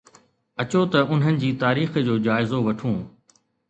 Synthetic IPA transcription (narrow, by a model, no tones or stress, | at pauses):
ɐt͡ɕot̪ɐʔʊnɦənɪ̆d͡ʑiːt̪aːɾiːxd͡ʑoːd͡ʑaːɪzoʋɐʈʰũː